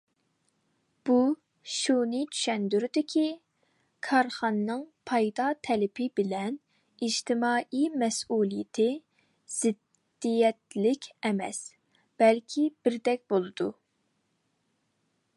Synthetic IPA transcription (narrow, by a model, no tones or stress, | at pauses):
b̥u | ʃunɪt͡ʃʰy̥ʃɛnd̪yɾd̪ɪkʲʰi | kʰɑɾχɑnːɨŋpʰɑjd̪ɑt̪ʰɛlɪpʰɪbɪlɛn | id͡ʒt̪ʰɪmɑːʔimɛsulˠijɪt̪ʰɪ | z̥ɪd̪ː | ijɛt̪lɪkʲʰɛmɛ̰s | b̥ɛlkʲʰib̥ɪɾd̪ɛk̚ʲbolˠɨd̪̥u